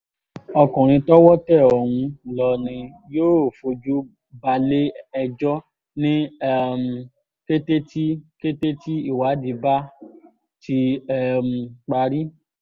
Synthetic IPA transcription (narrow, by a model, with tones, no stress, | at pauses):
ɔ˧kũ˨ɾ̃ĩ˧tɔ˦wɔ˦tɛ˦˨ɔ˨wũ˧lɔ˨nĩ˧ | joː˦o˨fo˧d͡ʒu˦ | ba˧le˦ɛ˧d͡ʒɔ˦ | nĩ˦ɛ˦m˧ | ke˦te˦ti˦ke˦te˦ti˦i˦˨wa˨˦di˧ba˦ | ti˧ɛ˦m˧k͡pa˧ɾi˦